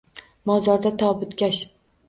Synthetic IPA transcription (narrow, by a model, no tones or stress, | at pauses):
mɒzɒɾd̪at̪ʰɒbʊt̪kʲaʃ